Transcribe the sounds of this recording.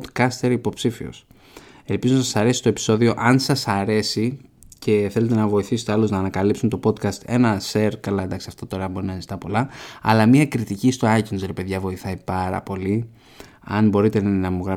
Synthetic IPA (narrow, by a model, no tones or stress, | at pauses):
d̪kɐst̪eɾipo̞psifio̰s | e̞lpizonɐsɐsɐɾe̞si̥t̪o̞epi̥so̞ðio̞ʔɐnsɐsɐɾe̞si | ce̞θele̞t̪e̞nɐvo̞iθisi̥t̪eɐloznɐːnɐkɐlipsunt̪o̞po̞d̪kɐst̪e̞nɐse̞ɾkɐlɐed̪ɐksiɐft̪ot̪o̞ɾɐbo̞ɾinɐzit̪ɐpo̞lɐɐ̰lɐmiɐkɾit̪icist̪o̞ɐjc̪unsɾepe̞ðʝɐvo̞iθɐipɐɾɐ̰po̞li | ɐ̰nbo̞ɾit̪e̞nɐðinɐmuɣɾɐ